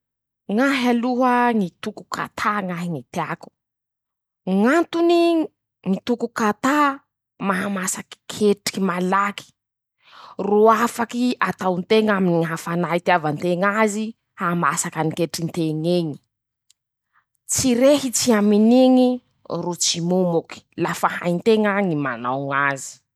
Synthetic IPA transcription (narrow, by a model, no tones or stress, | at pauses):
ŋaɦaluɦəŋit̪uku̥kʰa̰t̪ʰaŋaɦiŋit̪eaku̥ | ŋant̪uni | ŋit̪ukukat̪a | maɦamasaki̥kʰeʈ͡ʂkimalaki̥ | ruafakiat̪awnt̪eŋaminiɦafanait̪iavant̪eŋazi | hamasakanikeʈ͡ʂint̪eŋeŋi̥ | t͡siɾeɦit͡siaminiŋi | rut͡simumuki̥lafaha̰jnt̪eŋaŋima̰nawŋazi̥